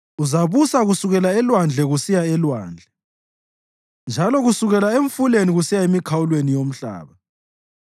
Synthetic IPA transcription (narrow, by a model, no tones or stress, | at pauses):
uzaβusaɣusuɣɛlaɛlwand͡ɮʱɛɣusijaɛlwa̰ːnd͡ɮʱɛ | nd͡ʒʱalɔɣusuɣɛlaeɱfuleniɣusijaemikʰawulwenijom̩ɬa̰ːβa